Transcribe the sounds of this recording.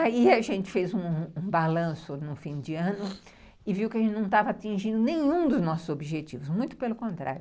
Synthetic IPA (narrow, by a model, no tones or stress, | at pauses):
aiaʒẽnt͡ʃɪ̥fezũũbalɐ̃sʊnʊ̃fĩd͡ʒɪɐ̃nʊ | ɪviwkɪɐʒẽt͡ʃɪnɐ̃w̃t̪avɐat͡ʃĩʒĩnd̪ʊnẽj̃ũd̪ʊznɔsʊzobiʒet͡ʃivʊsmũj̃t̪ʊ̥pelʊkõnt̪ɾa̰ɾjʊ